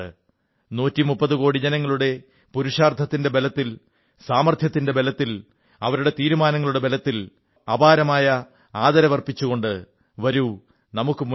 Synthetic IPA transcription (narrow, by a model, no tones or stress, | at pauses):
ɨ̰ | nuːtːimupːɐðɨko̞ːɽid͡ʑɐnɐŋːɐɭuɽe̞ | puɾuʂaːrt̪ʰːɐt̪ːinde̞be̞lɐt̪ːil | saːmɐrt̪ʰjɐt̪ːinde̞be̞lɐt̪ːil | ɐʋɐɾuɽe̞t̪iːɾumaːnɐŋːɐɭuɽe̞belɐt̪ːil | ɐbaːɾɐmaːjɐ | aːðɐɾɐʋɐrpit͡ɕːuɣo̞ɳɖɨ | ʋɐɾu | nɐmukːɨmu